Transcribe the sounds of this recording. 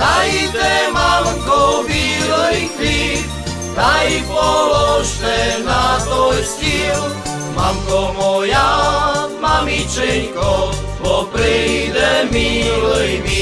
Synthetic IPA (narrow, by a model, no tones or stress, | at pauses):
t̪ajit̪ɛmamkɔʋiləjkli | t̪ajipɔlɔʒt̪ɛnat̪ɔjscil | mamkɔmɔja | mamit͡ʃɛɲkɔ | bɔpɾɛjd̪ɛmiləjmi